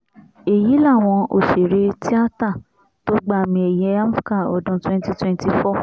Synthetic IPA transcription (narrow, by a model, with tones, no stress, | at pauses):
e˨ji˨˦la˦˨w̃ɔ̃˧ʔo˦˨ʃi˨ɾe˨˧tʰi˦a˦ta˦˨ | to˦ɡ͡ba˦˨mĩ˧ɛ˨jɛ˧a˦mu˦ka˦˨ɔ̰˨dũ˧˦twɛ̃˦nti˦twɛ̃˦nti˧fɔ˦